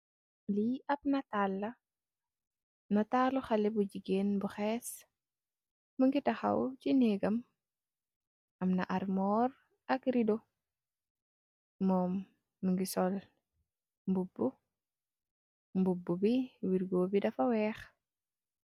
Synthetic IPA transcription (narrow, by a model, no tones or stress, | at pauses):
liʔɐp̚nɐtalːɐ | nɐtaːluxɐlɛbuɟiɡeːnbuxɛːs | məŋɡitɐxɐ̰wt͡ʃinɛɡɐm | ʔɐmnɐʔaɾmɔːɾ | ʔɐkɾido | mɔːmː | əŋɡisɔl | mbubːu | mbubːubiwiɾɡoːbidɐfɐwɛːx